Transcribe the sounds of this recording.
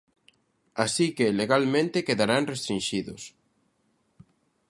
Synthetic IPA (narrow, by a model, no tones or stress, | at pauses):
asikeleɣalmẽnt̪ekeðaɾaŋrest̪ɾinʃiðʊs